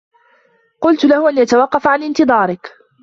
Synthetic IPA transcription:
qʊlt̪ʊlahʊʔanjat̪awɑqːɑfaʕanɪnt̪ɨðˤɑːɾɪk

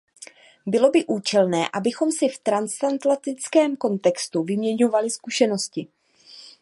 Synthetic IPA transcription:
bɪlo̞bɪʔuːt͡ʃɛlnɛːʔabɪxo̞msɪft̪ɾanst̪ant̪lat̪ɪt͡skɛːmko̞nt̪ɛkst̪uvɪmɲɛɲo̞valɪskuʃɛno̞scɪ

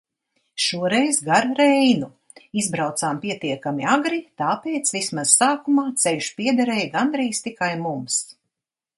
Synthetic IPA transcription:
ʃuɔɾɛjzɡaɾɾɛjnu | izbɾawt̪saːmpiɛt̪iɛkamiaɡɾit̪aːpeːt̪svismaz̥saːkumaːt̪sɛlʲʃpiɛd̪ɛɾɛjɡand̪ɾiːst̪ikajmums

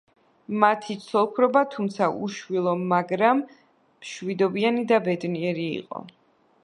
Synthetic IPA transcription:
mat̪ʰit̪sʰɔlˠkʰɾɔbat̪ʰumt̪sʰaʔṵʃwilˠɔmaɡɾamː | ʃwid̪ɔbianid̪abɛd̪niɛɾiḭqʼɔ̰

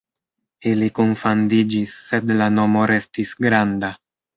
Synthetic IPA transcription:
ilikunfand̪id͡ʒisːed̪lano̞mo̞ɾe̞stisɡɾand̪a

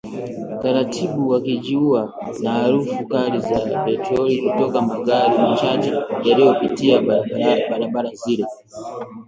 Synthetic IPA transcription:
taɾatʰiɓuwakid͡ʒiua | nahaɾufukaɾizapɛtɾɔlikutɔkamaɡaɾimat͡ʃad͡ʒɔjalijɔpitiaɓaɾaɓaɾaziɾɛ

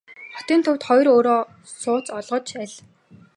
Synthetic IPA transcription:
χɔt̪iːnt̪ʰʊwt̪χɔjroːɾoː | sʊːt͡sɔɮʁɞ̆t͡ɕʰæɮ

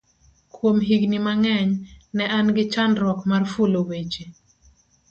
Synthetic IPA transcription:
kwomɦiɡnimaŋɛɲnɛʔanɡɪt͡ʃandɾɔkmarfulowet͡ʃe

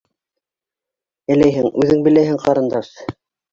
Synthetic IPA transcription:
ɘ̆læjɦɘŋʉðɘŋbɘ̆læjɦɘŋqɑɾɤ̆nd̪ɑʃ

